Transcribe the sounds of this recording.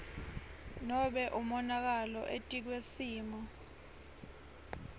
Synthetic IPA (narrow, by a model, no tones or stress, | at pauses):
nɔɓɛʔumɔnak̬alɔ̰ʔetʼik̬wesiːma